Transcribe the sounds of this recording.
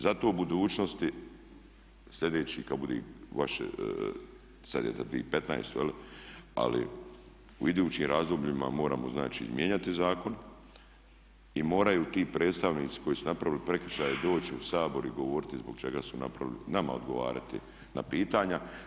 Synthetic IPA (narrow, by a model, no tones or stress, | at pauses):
zat̪o̞ːbud̪uːt͡ʃno̞st̪i | sʎʲe̞d̪e̞ːt͡ɕikabud̪ḛːʋaʃḛ | sad̪ḛːt̪et̪ḭːpet̪na̰jst̪ujelia̰lḭ | ṵid̪uːt͡ɕiːmɾʔaːzd̪obʎima̰mo̞ːɾa̰ːmoznaːt͡ʃḭzmjeɲat̪izaːko̞n | imo̞ːɾajuːt̪iːpɾe̞ːdt̪st̪aʋniːt̪si̥kʰo̞jiːsunapɾaʋilipɾe̞kɾiʃaːjed̪o̞ːt͡ɕiusaːbo̞ɾiɡo̞ʋo̞ːɾɪt̪izboɡ̥t͡ʃeɡasuna̰pɾaʋilinama̰od̪ɡo̞ʋa̰ːɾa̰t̪ḭ | na̰piːt̪aːɲa